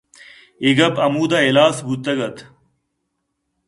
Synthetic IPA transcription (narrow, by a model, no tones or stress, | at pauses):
iɡɐbɐmuːd̪aelaːsbut̪ːɐɡɐt̪ʰ